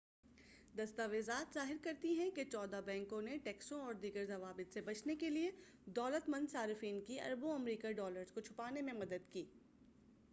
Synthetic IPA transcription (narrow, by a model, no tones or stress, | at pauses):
d̪ɐst̪aʋeːzaːt̪zaːɦɪɾkɐɾt̪iɦɛ̃ket͡ʃɔːd̪abɛ̃ːŋkõneʈɛːksõɔːɾd̪iːɡəɾzɐʋaːbɪt̪sebɐt͡ʃʰnekelie | d̪ɔːlət̪mɐ̃nd̪saːɾɪfiːnkiɐ̰ɾbõɐmɾiːkaɖɔːləɾzkot͡ʃʰʊpaːnemẽmɐd̪əd̪kiː